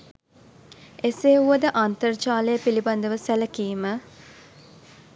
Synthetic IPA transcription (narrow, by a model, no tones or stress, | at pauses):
eseːuʋəd̪əʔant̪ərt͡ʃaːləjəpiliband̪əʋəsæləkiːmə